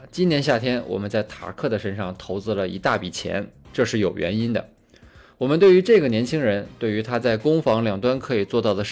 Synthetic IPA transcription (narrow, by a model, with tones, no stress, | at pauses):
t͡ɕi˥njɛ˧˥nɕja˥˩t̪ʰjɛ˥nwɔ̰˨˩mə˦nt͡sa˥˩ɪt̪ʰa̰˨˩kʰɤ˥˩d̪ə˩ʂə˥nʂɑ˥˧˩ŋt̪ʰo˧˥ʊt͡sɹ̩˥˧lə˩ḭ˧˥t̪a˥˩pi˨˩t͡ɕʰjɛ̰˧˥nʈ͡ʂɤ˥˧ʂɻ̩˥˩jo˨˩ʊɥɛ̰˧˥ni˥nd̪ə̰˨ | wɔ˨˩mə˦t̪we˥˩y˧˥ʈ͡ʂɤ˥˩ɡə˩njɛ˧˥nt͡ɕʰi˥ŋɻə˧˥nt̪we˥˩ɪy˧˥t̪ʰa˥t͡sa˥˩ɪkʊ˥ŋfɑ˧˥ŋljɑ˨˩ŋt̪wa˥nkʰɤ˧˥i˨˩t͡swɔ˥˧t̪ɑ˥˩ʊd̪ə˩˥